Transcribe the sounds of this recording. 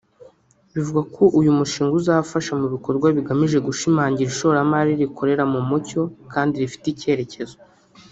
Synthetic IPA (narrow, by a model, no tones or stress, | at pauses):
βivuɡakʰo̞ʔujumuʃiːŋɡuzafaʃamuβiko̞ɾɡwaβiɡamiʒe̞ɡuʃimaːɲɟiɾiʃo̞ɾamaɾiɾikʰo̞ɾe̞ɾamumuco̞kaːndiɾifi̥tice̞ːɾe̞ce̞zo